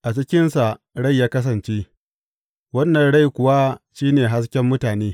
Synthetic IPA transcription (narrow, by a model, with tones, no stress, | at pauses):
ʔa˨t͡ʃɪ˦kʲɪ˦nsa˨ʔ | ɽa˦˨jːaː˦kɐ˦s̬ɐ˨nt͡ʃe˦ | wɐ˦nːɐ˨nɽa˦jkʷʊ˨wa˦ʃiː˦neː˨ɦa˦s̬kʲɛ˦mːʊ˦taː˨neː˦